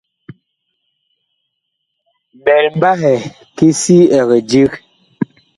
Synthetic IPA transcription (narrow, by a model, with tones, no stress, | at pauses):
bɛ˨lm˦ba˦ɦɛ˨ | ki˦si˦ɛ˨ɣɛ˨d͡ʒi˦k